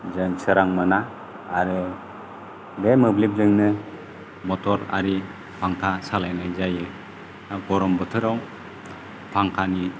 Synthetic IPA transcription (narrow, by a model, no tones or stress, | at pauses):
zɯŋsɯɾaŋmɯnaː | ɾɯ | bemɯblip̚zɯŋnɯ | mɔtʰɔɾa̰ɾi | pʰaŋkʰasalajnajzajɯ | aɡɔɾɔmbɯtʰɯɾaw | pʰaŋkʰani